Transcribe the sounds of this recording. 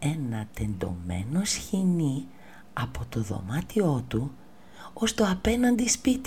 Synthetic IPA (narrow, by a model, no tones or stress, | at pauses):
e̞nɐt̪e̞nd̪o̞̰me̞̰no̞sçini | ɐpo̞t̪o̞ðo̞̰mɐt̪io̞t̪u | ost̪o̞ɐpenɐnd̪ispit̪